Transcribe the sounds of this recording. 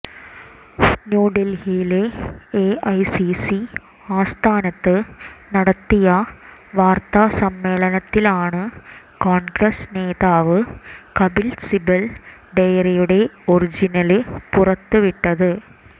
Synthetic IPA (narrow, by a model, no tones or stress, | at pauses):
njuːɖelhijileeʔɐjsisi | aːst̪ʰaːnɐt̪ːɨnɐɽɐt̪ːijɐ | ʋaːrt̪asɐmːe̞ːɭɐnɐt̪ːilaːɳɨ | koːnɡɾɐsne̞ːðaːʋɨkɐbilsibɐlɖejɐrijuɽe̞o̞rid͡ʑinɐlɨpurɐt̪ːɨʋiʈːɐðɨ